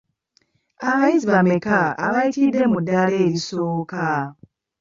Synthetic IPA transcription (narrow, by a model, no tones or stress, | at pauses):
aβajiziβamekaa̰βaitid̪e̞mudale̞ːɾisoːka